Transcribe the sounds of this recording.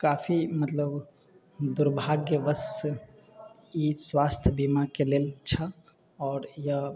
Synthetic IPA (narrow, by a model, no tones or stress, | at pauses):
kaːpʰimət̪ləb | d̪uɾbʱaɡːeʋəs | iswaːst̪ʰjbimakeleːlt͡ʃʰə | ɔːɾjə